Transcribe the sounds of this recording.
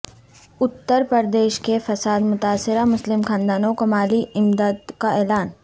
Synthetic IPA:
ʊt̪ːəɾpɾɐɾd̪eːʃkefɐsaːd̪mʊt̪aːsːɪɾamʊslɪmxãːnd̪aːnokɐmaːliɪmd̪aːd̪kaɛːlaːn

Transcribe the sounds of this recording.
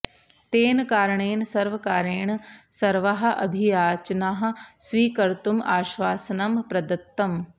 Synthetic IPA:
t̪eːnkaːɾəɳeːnsɐɾʋɐkaːɾeːɳ̃sɐɾʋaɦɐ̆ʔɐ̰bʱijaːt͡ʃnaɦɐ̆sʋiːkɐɾt̪umaːʃʋaːsɐnɐmpɾɐd̪ɐt̪ːɐm

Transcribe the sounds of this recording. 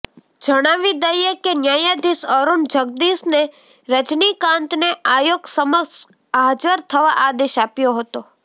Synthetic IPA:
d͡ʒəɽ̃aʋid̪əjekenjajad̪isəɾund͡ʒəɡ̚d̪isne | ɾəd͡ʒnikãnt̪neʔajoɡsəməks | aɦd͡ʒəɾt̪ʰəʋaʔad̪eʃapjoɦət̪o

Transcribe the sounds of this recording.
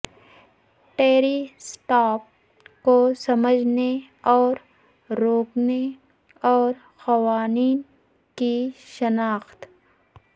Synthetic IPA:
ʈeːɾisʈaːp̚ | kosɐməd͡ʒʱne | ɔːɾ | ɾoːkne | ɔːɾ | xɐʋaːniːn | kiʃənaːxt̪

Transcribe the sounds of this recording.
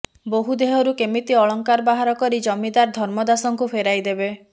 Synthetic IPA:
boɦud̪eɦɔɾukemit̪iɔɭɔŋkaɾbaɦaɾɔkɔɾid͡ʒɔmid̪aɾd̪ʱɔɾmɔd̪asɔŋkupʰeɾajd̪ebe

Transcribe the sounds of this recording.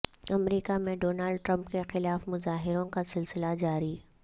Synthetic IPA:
ɐmɾiːkamẽɖoːnaːlɖ̚ʈɾə̃mpkexɪlaːfmʊzaːɦɪɾõkasɪlsɪlad͡ʒaːɾi

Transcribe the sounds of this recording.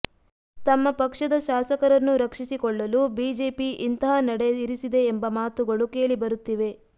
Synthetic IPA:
t̪ɐmːɐpɐkʂɐd̪ɐʃaːsɐkɐɾɐnːuɾɐkʂisikɔɭːɐlubiːd͡ʒe̞ːpiʔint̪ɐɦɐnɐɽeiɾisid̪e̞ːmbɐmaːt̪uɡɐɭuke̞ːɭibɐɾut̪ːiʋe̞

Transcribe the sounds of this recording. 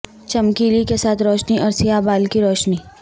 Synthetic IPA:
t͡ʃɐmkiːlikesaːt̪ʰɾɔːʃniʔɔːɾsijabaːlkiɾɔːʃni

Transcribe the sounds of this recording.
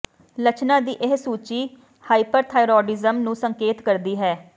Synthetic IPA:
lət͡ʃnãːd̪iːʔɪɦsuːt͡ʃiː | haːipəɾt̪ʰaːɪɾoːɖɪzəmnũːsəŋkeːt̪kəɾd̪iːɦɛː

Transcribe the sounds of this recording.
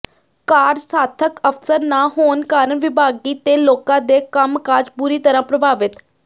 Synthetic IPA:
kaːɾsaːt̪ʰəkəfsəɾnaːɦoːnkaːɾəɳʋɪbʱaːɡiːt̪eːloːkãːd̪eːkəmkaːd͡ʒbʊɾiːt̪əɾãːpɾəbʱaːʋɪt̪

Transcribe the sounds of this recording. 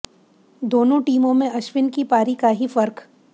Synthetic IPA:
d̪oːnõʈiːmõmẽɐʃʋɪnkipaːɾikaɦifɐɾk

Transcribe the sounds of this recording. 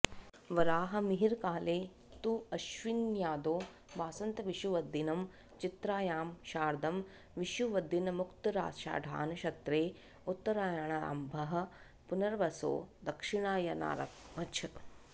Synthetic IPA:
ʋɐɾaːɦɐ̆miɦiɾkaːleː | t̪uɐʃʋinjaːd̪oː | baːsɐnt̪ɐʋiʃuʋɐd̪ːinɐm | t͡ʃit̪ɾaːjaːmʃaːɾd̪ʱɐm | ʋiʃuʋɐd̪ːinɐmukt̪ɐɾa̰ːʃa̰ːɖʱa̰ːnɐʃɐt̪ɾeː | ut̪ːɐɾaːjɐɳɐa̰ːmbʱɐɦɐ̆ | punɐɾʋɐso̰ːd̪ɐkʂiɳaːjɐna̰ːɾɐ̰kmɐt͡ʃʰ

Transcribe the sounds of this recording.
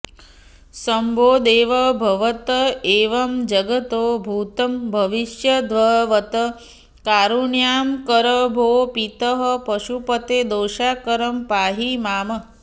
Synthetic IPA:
sɐmbʱoːd̪eːʋɐbʱɐʋɐt̪ɐeːʋɐmd͡ʒɐɡɐt̪oːbʱuːt̪ɐmbʱɐʋiʃjɐd̪ʋɐɦʋɐt̪ɐ | kaːɾuɳjaːmkɐɾɐbʱoːpit̪ɐɦɐpɐʃupɐt̪eːd̪oːʃaːkɐɾɐmpaːɦimaːmɐ

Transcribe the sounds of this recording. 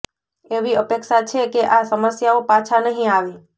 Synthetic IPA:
eʋiəpekʃat͡ʃʰekeʔasəməsjaopat͡ʃʰanəɦĩaʋe

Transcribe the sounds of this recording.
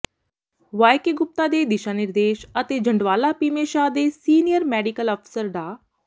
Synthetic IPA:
ʋaːjkeːɡʊp̚t̪aːd̪eːd̪ɪʃaːnɪɾd̪eːʃət̪eːd͡ʒəɳɖʋaːlaːpiːmeːʃaːd̪eːsiːnijəɾmɛːɖikəlɔːpʰsəɾd̪aː

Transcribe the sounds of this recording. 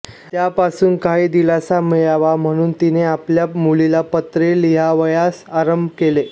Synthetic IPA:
t̪japasuːnkaɦiːd̪ilat͡samijaʋam̤əɽ̃uːnt̪ineapljamulilapət̪ɾeliɦaʋəjasaɾəmbʱkele

